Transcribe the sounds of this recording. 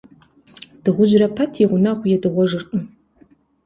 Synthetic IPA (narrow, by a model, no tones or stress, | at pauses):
d̥ɨʁʷʊʒrɐpʰɐtʰiʁʷʊnaʁʷʊjɛdɨʁʷɔʐɨrqʼə